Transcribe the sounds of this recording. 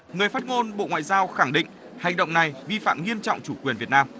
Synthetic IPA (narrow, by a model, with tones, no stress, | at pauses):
ŋɨ˨˩əjfaː˦˥t̚ŋo˧nɓo̰˧˨ŋwa̰ː˧˨zaː˧wxa˧˩ŋɗḭ̈˧˨ŋ̟ | ha˨˩jŋ̟ɗə̰˧˨wŋ͡mna˨˩jvi˧fa̰ː˧˨mŋi˧əmt͡ɕɔ̰˧˨wŋ͡mt͡ɕu˧˩kwi˨˩ənvi˨˩ət̚naː˧m